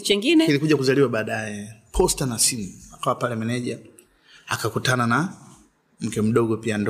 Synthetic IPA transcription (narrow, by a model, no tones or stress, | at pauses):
t͡ʃɛŋɡinɛkilikuʄakuzaliwaɓaːɗajɛpʰɔstanasiniakawapalɛmɛnɛʄa | akakutanana | m̩kɛm̩ɗɔɡɔpiand